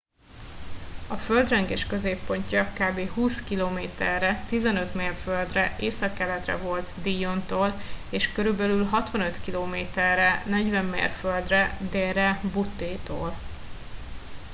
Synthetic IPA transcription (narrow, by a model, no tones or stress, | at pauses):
ɒføld̪rɛŋɡeːʃkø̞zeːpːo̞ɲcɒkaːbeːɦuːskiloːmeːt̪ɛrːɛt̪izɛnø̞t̪meːrføld̪rɛʔeːsɒkːɛlɛt̪rɛ̰vo̞lt̪d̪ijont̪oːleːʃkøɾybɛlylɦɒt̪ʋɒnø̞t̪kiloːmeːt̪ɛrːɛnɛɟvɛmːḛːrfø̞ld̪rɛd̪eːɾɛbut̪ːeːt̪o̰ːl